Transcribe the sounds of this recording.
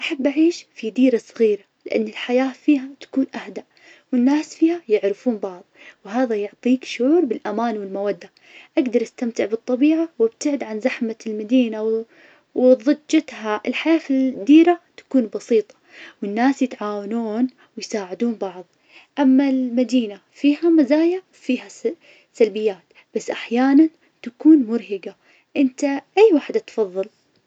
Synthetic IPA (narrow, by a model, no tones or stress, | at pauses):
ʔaħabːʔaʕiːʃfid̪iːɾasˤɣiːɾalɪʔa̰nːɪlħajaːfiːɦat̪ḁkuːnʔahd̪aʔ | wɪnːaːsfiːhajɪʕɾɪfuːnbɑʕðˤwɦaːðajʊʕt̪ˤiːkʃʊʕuːɾbɪlʔamaːnwɪlmawad̪ːa | ʔaɡd̪ɑɾˤʔast̪amt̪ɪʕbɨt̪ˤːɑbiːʕawab̚t̪ɪʕɪd̪ʕanzaħmalmad̪iːnaw | wɪðˤɨd͡ʒːat̪haʔɪlħajaːfd̪iːɾat̪ḁkuːnbɑsiːt̪ˤɑ̥wɪnːaːsjɪt̪ʕaːwanuːn | wɪjsaːʕɪd̪uːnbɑʕðˤ | ʔamːalmad̪iːna | fiːɦamazaːja | fiːha | salbɪjːaːt̪ | b̥asːʔaħjaːnan | t̪akuːnmʊɾɦɪɡa | ʔɪnt̪aʔajːwaːħd̪at̪fɑðˤːɨl